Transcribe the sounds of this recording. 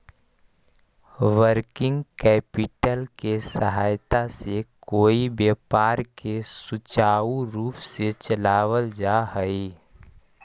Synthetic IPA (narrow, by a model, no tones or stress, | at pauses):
ʋəɾkɪ̃ŋɡkɛːpɪʈəlkesəɦaːjt̪asekoːibeːpaːɾkesʊt͡ʃaːuɾuːpset͡ʃəlaːwəld͡ʒaɦəi